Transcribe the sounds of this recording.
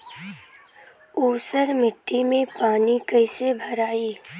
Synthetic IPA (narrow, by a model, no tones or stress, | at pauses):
uːsəɾmɪʈːimẽpaːnikəɪsebʱɐɾaːiː